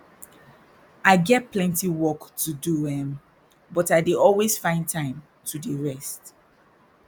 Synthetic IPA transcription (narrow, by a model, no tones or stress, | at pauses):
aɪɡɛt̚pʰlɛ̃ntiwɔktʰuduɛ̃m | bɔtaɪdeɔlwesfãɪ̃ntʰãɪ̃m | tʰudəɹɛst